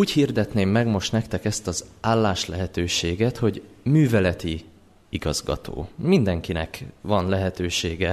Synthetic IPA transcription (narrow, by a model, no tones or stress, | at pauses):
uːchird̪ɛt̪neːmːɛɡmo̞ʃt̪nɛkt̪ɛkɛst̪ɒzaːlːaːʃlɛɦɛt̪øːʃeːɡɛt̪ho̞ɟ | myːvɛlɛt̪i | iɡɒzɡɒ̰t̪ʰo̰ːmind̪ɛŋkinɛ̰kvɒnlɛɦɛt̪øːʃeːɡɛ